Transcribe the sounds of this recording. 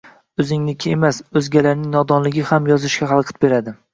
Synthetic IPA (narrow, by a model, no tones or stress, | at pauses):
ɵzɪŋnɪkʲʰɪemasɵzɡʲalaɾnɪŋnɒd̪ɒnlɪɡʲɪhamjɒzɪʃkʲaɦalˠqʰɨt̪̚be̞ɾad̪ɪ